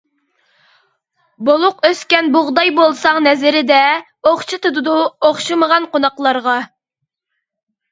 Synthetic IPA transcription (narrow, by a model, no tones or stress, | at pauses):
bolˠʊqøskʲɛnboʁd̪ɑjbolˠsɑŋnɛzɪɾɪd̪ɛ | oχt͡ʃʰɨt̪ʰud̪ud̪uoχʃɨməʁɑnqonɑqlˠɑɾʁɑ